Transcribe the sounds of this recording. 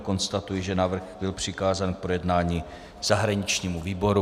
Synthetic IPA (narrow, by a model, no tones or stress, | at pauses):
ko̞nst̪at̪ujɪʒɛnavr̩xbɪlpr̝̥ɪkaːzaːnk̚pɾo̞jɛdnaːɲi | z̥aɦɾaɲɪt͡ʃɲiːmuviːbo̞ɾu